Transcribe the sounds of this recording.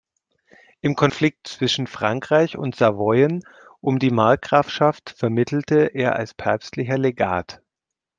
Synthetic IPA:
ʔɪmkʰɔnflɪk̚tt͡sv̥ɪʃn̩fʁ̥aŋkʁ̥aɪçʊ̰ntz̥avɔʏən | ʔʊmdiːmaɐk̚ɡ̥ʁ̥afʃaftfɛɐmɪtʰl̩təʔeːɐʔa̰lspʰɛɐpstlɪçɐleɡa̰ːt

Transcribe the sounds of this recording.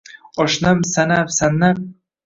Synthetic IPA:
ɒʃnamsanamsanːam

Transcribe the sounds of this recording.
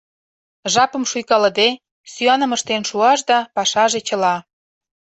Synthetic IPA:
ʒɑpə̆mʃujkɑləd̪e | syɑnə̆məʃt̪enʃuɑʃd̪ɑpɑʃɑʒet͡ɕə̆lɑ

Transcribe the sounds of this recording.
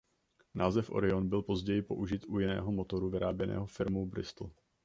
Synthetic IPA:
naːzɛfʔo̰ɾɪonbɪlpo̞zɟɛjɪpo̞ʔuʒɪt̪ʔujɪnɛ̰ːɦomot̪o̞ɾuvɪɾaːbjɛnʔɛ̰ːɦofɪɾmuwbɾɪ̰st̪l̩

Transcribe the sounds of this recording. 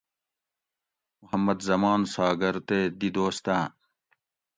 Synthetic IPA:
muhɐmːɐd̪zɐmaːnsaːɡɐɾt̪eːd̪id̪oːst̪ãː

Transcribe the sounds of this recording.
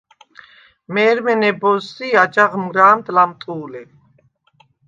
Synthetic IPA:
mɛːɾmɛnɛbɔsːiad͡ʒaʁmɡɾaːnt̪lamt̪ʼuːlɛ

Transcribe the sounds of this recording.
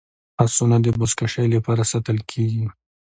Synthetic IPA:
asunad̪əbʊskaʃajlapɑɾasat̪əlkʰeɡi

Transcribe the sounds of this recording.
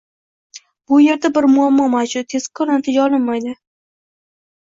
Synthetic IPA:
b̥ʊje̞ɾd̪abɪɾmʊamːɒmad͡ʒʊt̪ʰːe̞zkʰɒɾnat̪ʰɪd͡ʒaɒlˠɪnmajd̪ɪ

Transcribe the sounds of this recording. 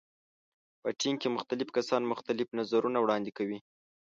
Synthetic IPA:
pəʈiŋkemʊxt̪alɪfkasɑnmʊxt̪alɪfnazaɾunawɽɑnd̪ɪkawi

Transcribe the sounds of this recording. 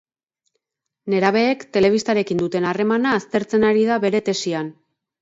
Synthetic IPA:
ne̞ɾaβ̞e̞ːkt̪e̞le̞β̞ist̪aɾe̞kind̪ut̪e̞nare̞manaːst̪e̞ɾt͡se̞naɾiðaβe̞ɾe̞t̪e̞sian

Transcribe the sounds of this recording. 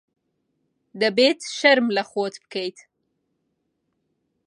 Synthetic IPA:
d̪əbet̪ʃaɾmlaxot̪pkejt̪

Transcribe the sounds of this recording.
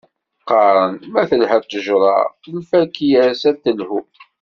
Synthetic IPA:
qɑɾˤənmæθəlhət̪ˤːəʒɾˤɑ̰lfækijæɾsæt̪ːəlhu

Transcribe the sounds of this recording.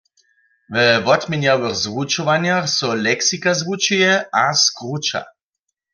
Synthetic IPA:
vəvɔt̪mʲɛnjawɛxzwut͡ʃɔʋanjaxsɔlɛksikazvut͡ʃujɛʔaskʁut͡ʃa̰

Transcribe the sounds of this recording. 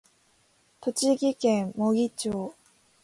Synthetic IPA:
t̪ot͡ɕiɡikemoɡit͡ɕo

